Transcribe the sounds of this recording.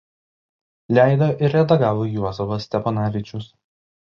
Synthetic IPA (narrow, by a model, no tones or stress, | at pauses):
lʲæˑɪd̪oʔɪɾʲɾʲɛd̪ɐɡɑːʋoːjuɔzɐʋɐsʲt̪ʲɛpɐnɑːʋʲɪt͡ʃʲʊs